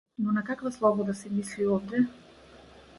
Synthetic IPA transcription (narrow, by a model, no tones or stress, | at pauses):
nɔnakakvaslˠɔbɔd̪asɛmisliɔvd̪ɛ